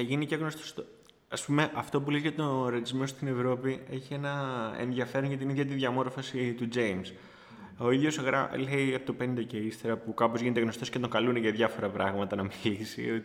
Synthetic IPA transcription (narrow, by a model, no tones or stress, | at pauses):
θɐʝiniceɣno̞st̪ost̪o | ɐspume̞ʔɐft̪o̞p̬ulezʝɐt̪o̞ɾeizmo̞st̪ine̞vɾo̞pie̞çie̞nɐḛnðʝɐfe̞ɾoʝɐt̪iniðʝɐt̪̬iðʝɐmo̞ɾfɐsit̪ud͡ʒejms | o̞iðʝo̞sɣɾɐ̰leɐpot̪opennd̪ɐceist̪e̞ɾɐpukɐpo̞zʝine̞t̪eɣno̞st̪osce̞t̪o̞ŋkɐluneʝɐðʝɐfo̞ɾɐpɾɐɣmɐt̪ɐnɐmilisḭot̪